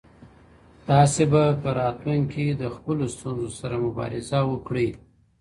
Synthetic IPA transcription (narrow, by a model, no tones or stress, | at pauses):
t̪ɑsebapəɾɑt̪luŋkid̪əxpəlost̪unzosaɾamʊbɑ̰ɾɪzawəkɽəj